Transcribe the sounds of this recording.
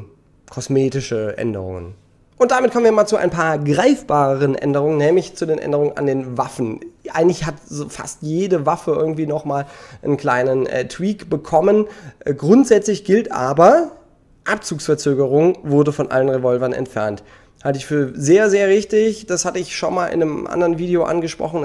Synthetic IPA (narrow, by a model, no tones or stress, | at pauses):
kʰɔsmeːtɪʃəʔɛ̰ndə̰ʁʊ̰ŋə̰n | ʔʊnt̚d̥amɪtkʰɔmnviːɐmaːlt͡sua̰ɪnpʰaːɐɡʁaɪfb̥aːʁəʁənʔɛ̰ndəʁ̞ʊŋənɛːmlɪçt͡sudeːnʔɛ̰ndəʁʊŋəna̰ndeːnvafn̩ʔa̰ɪɡŋ̩tlɪçhatzofa̰stjeːdəvafəɪɐɡŋ̩tv̥iːnɔχmaːlʔənkl̥aɪnənɛ̰tʰwiːkb̥əkʰɔmənʔɡʁʊntz̥ɛt͡slɪçɡ̥ɪltʔaːbɐ | ʔap̚t͡suːksfɛɐt͡søːɡəʁʊŋvʊɐdəfɔnʔa̰lənʁevɔlvɐnʔɛ̰ntfɛɐnt | haltəɪçfyːɐzeːɐzeːɐʁɪçtɪçd̥ashatəɪçʃonmaːlʔɪ̰nəmʔa̰ndəʁənviːdeoʔa̰nɡəʃpʁ̥ɔ̰χn̩